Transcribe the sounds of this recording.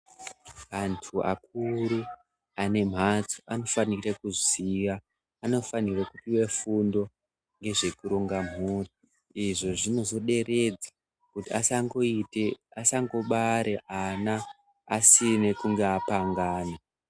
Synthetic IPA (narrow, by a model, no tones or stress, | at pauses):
ʋantʰua̰k̚uɾu | ane̞m̤at͡so̥ʔano̞fanirekuziʋaː | no̞fanirekutiwe̞fundo̞ | ŋɡe̞ʐe̞kuɾoŋɡam̤ɦuri | iʐo̞ʐino̞zo̞ɗe̞re̞d͡za | kutiasaŋɡo̞iteasaŋɡo̞ɓaɾeʔanaː | sine̞kuŋɡeapaŋɡaːne